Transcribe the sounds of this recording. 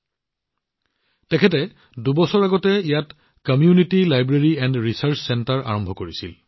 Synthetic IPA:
tɛkʰɛtɛ | dubɔsɔɹaɡɔtɛijat | kɔmijunitilajbɹeɹiɛndɹisaɹt͡ʃsɛntaɹʔa̰ɹɔmbʱɔkoɹisḭl

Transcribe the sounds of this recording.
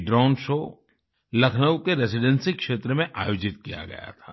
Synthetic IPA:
ɖɾaːʊnʃoː | lɐkʰnəwkeɾesɪɖə̃nsikʃeːt̪ɾəmẽʔa̰ːjoːd͡ʒɪt̪kija̰ɡɐ̰ja̰t̪ʰaː

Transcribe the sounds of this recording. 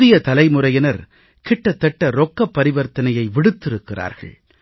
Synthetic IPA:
ðɪjɐt̪ɐlɐɪmʊrɐjɪnɐɾ | kɪʈːɐt̪ːɛʈːɐɾɔkːɐpːɐɾɪʋɐɾt̪ɐnɐjɐɪʋɪɽɯt̪ːɪɾɯkːɪra̰ːɾɣɐ̰ɭ

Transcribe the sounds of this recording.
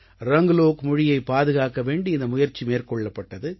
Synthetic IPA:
ɾɐŋɡloːkmʊɻɪjɐɪpːaːðɯɣaːkɐʋeːɳɖiɪnd̪ɐmʊjɐɾt͡ʃimeːrkɔɭːɐpːɐʈːɐðɯ

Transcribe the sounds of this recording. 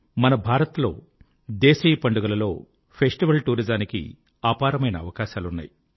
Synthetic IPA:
mɐnɐbʱaːɾɐt̪lo̞̰ː | d̪eːsijɐpɐɳɖuɡɐlɐlo̞ː | pʰesʈiʋɐlʈuːɾid͡ʒaːnikḭ | aːpaːɾɐmɐjnɐːʋɐkaːʃaːlunːa̰ːji

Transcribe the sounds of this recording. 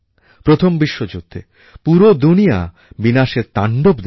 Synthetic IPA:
pɾot̪ʰombiʃːod͡ʑut̪ʰːe | puɾod̪unija̰ | binaʃeɾt̪aɳɖopd̪

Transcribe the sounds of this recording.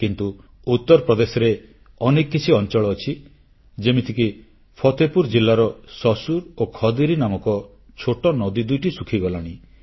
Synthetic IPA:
kint̪u | ut̪ːɔɾɔpɾɔd̪esɔɾe | ɔnekkːit͡ʃʰiɔnt͡ʃɔɭɔːt͡ʃʰi | d͡ʒemit̪ʰiki | pʰɔt̪epuɾd͡ʒilːaɾɔsɔsuɾokʰɔd̪iɾinamɔkɔ | t͡ʃʰoʈɔnɔd̪id̪ujʈisukʰiɡɔlaɽ̃i

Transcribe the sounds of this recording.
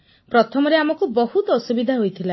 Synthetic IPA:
pɾɔt̪ʰɔmɔɾeamɔkubɔɦut̪ɔɔsubid̪ʱaɦojt̪ʰila

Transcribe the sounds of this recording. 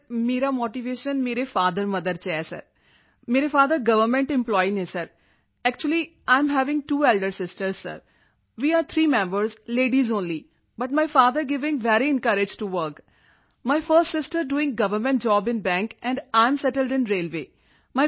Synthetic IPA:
meːɾamoːʈiʋeːʃə̃nmeːɾefaːd̪əɾmɐd̪əɾt͡ʃɛːsɐ̰ɾ | meːɾefaːd̪əɾɡɐʋəɾmɛ̃ɳʈɪ̃mplɔːinesɐɾ | ɛk̚t͡ʃuəli | ãɪ̃mɦɛʋɪ̃ŋɡʈuːeːlɖəɾsɪsʈəɾz̥sɐ̰ɾ | ʋiːaːɾt̪ʰɾiːmɛ̃mbəɾzleːɖizõːnli | bɐʈ̚maɪfaːd̪əɾɡɪʋɪ̃ŋʋɛɾiɪ̃nkɐɾɪd͡ʒʈuʋəɾk | maɪfəɾsʈsɪsʈəɾɖuːɪ̃ŋɡɐʋəɾmɛ̃ɳʈ̚d͡ʒɔːbɪ̃nbɛ̃ːŋkɛ̃ɳɖãɪ̃msɛʈəlɖɪ̃nɾeːlʋeː | maɪ

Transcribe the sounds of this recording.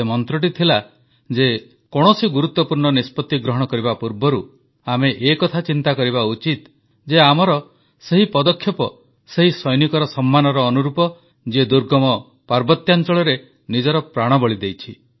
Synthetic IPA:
mɔnt̪ɾɔʈ̬it̪ʰila | d͡ʒe | kɔɽ̃ɔsiɡuɾut̪ːɔpuɾɳɔnispɔt̪ːiɡɾɔɦɔɽ̃ɔkɔɾibapuɾbɔɾu | ameʔːkɔt̪ʰat͡ʃint̪akɔɾiβaut͡ʃit̪ | d͡ʒeamɔɾɔ | seɦipɔd̪ɔkʰːjɔpɔ | seɦisɔjnikɔɾɔsɔmːanɔɾɔːnuɾupɔ | d͡ʒed̪uɾɡɔmɔ | paɾbɔt̪jant͡ʃɔɭɔɾe | nid͡ʒɔɾɔpɾaɽ̃ɔbɔɭid̪ejt͡ʃʰi

